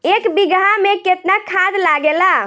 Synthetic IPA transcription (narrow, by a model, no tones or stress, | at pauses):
ekbiɡameket̪nakʰad̪laɡela